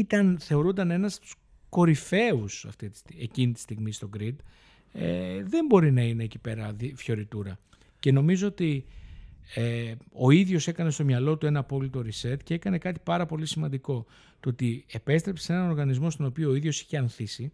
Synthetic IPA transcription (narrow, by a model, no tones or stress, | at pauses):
it̪ɐnθe̞o̞ɾund̪ɐne̞nɐsu̥s | ko̞ɾife̞usɐ̰ft̪it̪i̥sie̞cinit̪i̥st̪iɣmist̪o̞ɡɾid̪ | ḛðe̞mbo̞ɾinɐine̞ːcipe̞ɾɐðifço̞ɾit̪uɾɐ | ce̞no̞mizo̞ot̪i | eo̞iðʝo̞se̞kɐne̞st̪o̞mɲɐlo̞t̪ue̞nɐːpo̞lit̪o̞ɾise̞t̪cee̞kɐne̞kɐt̪i̥pɐɾɐpo̞lisimɐnd̪iko̞ | t̪oot̪ie̞pe̞st̪ɾe̞psee̞nɐno̞ɾɣɐnizmo̞st̪o̞no̞pioːiðʝosi̥çeɐnθisi